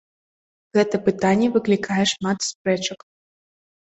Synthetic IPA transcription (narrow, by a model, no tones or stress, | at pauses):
ɣɛt̪ɐpɨt̪anʲːɛvɨklʲikʰajɛʂmat̪spɾɛt͡ʃɐk